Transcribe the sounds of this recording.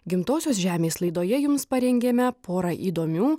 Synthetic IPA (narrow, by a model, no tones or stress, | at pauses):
ɡʲɪmt̪oːsʲoːsʒʲæːmʲeːslˠɐɪd̪oːjɛjʊmspɐɾʲɛŋʲɡʲemʲɛpoːɾɐʔiːd̪oːmʲuː